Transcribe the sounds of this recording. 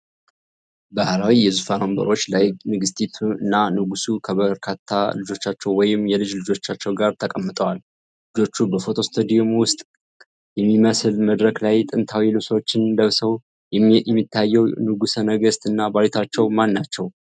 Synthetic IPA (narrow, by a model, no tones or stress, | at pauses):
bahɾawijɛzufanombə̰ɾo̞t͡ʃːlajnɨɡɨst̪ʰit̪ʰuɨnːanɨɡusukʰəβəɾkʰat̪ʰːa̰lɨd͡ʒo̞t͡ʃːat͡ʃːɛwwɔjɪmːjɛlɨd͡ʒlɨd͡ʒo̞t͡ʃːat͡ʃːɛwɡaɾt̪ʰəkʼəmːɨt̪ʼəwal | lɨd͡ʒo̞t͡ʃːubəfo̞t̪ʰo̞st̪ʰod̪iomwʊst̪ʼ | jɛmːiməsɨlməd̪ɾəklajt̪ʼɨnt̪ʰawilɨβswt͡ʃːɪnd̪əβsəw | mːit̪ʰːajːɛwnɨɡusənəɡəst̪ɨnːabaɾit̪ʰat͡ʃːɛwmanːat͡ʃːɛw